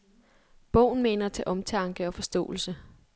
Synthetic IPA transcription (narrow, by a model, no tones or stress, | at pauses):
b̥ɔʊ̰n̩me̝ːnɐt͡sʰe̝ʔɒ̽mt͡sʰɑ̈ŋɡ̥əɒ̽fɒ̽sd̥ɔ̰̽ːl̩sə